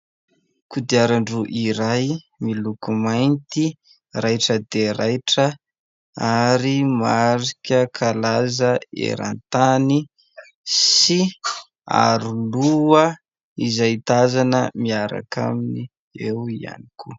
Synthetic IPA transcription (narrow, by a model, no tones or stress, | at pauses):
kud̪iaɾaɳɖ͡ʐuʔiɾaj | milukumajnt̪i | rajʈ͡ʂəd̪eɾajʈ͡ʂə | aɾimaɾikʲəkʰalazəḛɾa̰nt̪ani | si | a̰ɾuluə | izait̪azanəmiaɾa̰kʰa̰mini | ewia̰nikʰu